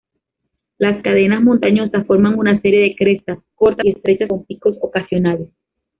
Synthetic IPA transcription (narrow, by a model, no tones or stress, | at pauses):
laskaðe̞nasmõ̞nt̪aɲo̞sasfo̞ɾmaŋunase̞ɾje̞ðe̞kɾe̞st̪asko̞ɾt̪ae̞st̪ɾe̞t͡ʃasompiko̞so̞kasjo̞nales